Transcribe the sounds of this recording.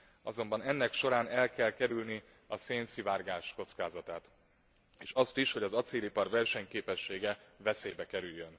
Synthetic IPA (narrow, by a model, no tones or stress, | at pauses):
ɒzo̞mbɒnɛnːɛkʃo̞ɾaːnɛlkɛlkɛɾylni | ɒseːnsivaːrɡaːʃko̞t̪skaːzɒt̪aːt̪ | eːʃɒst̪iʃho̞ɟɒzɒt̪seːlipɒrvɛrʃɛɲkeːpɛʃːeːɡɛvɛseːbɛkɛɾyjːøn